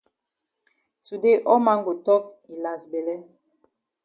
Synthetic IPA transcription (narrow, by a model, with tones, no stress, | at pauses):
su˨de˦ʔɔ˦ma˦ŋɡo˨tɔ˦k̚ | i˨la˨sbɛ˨lɛ˦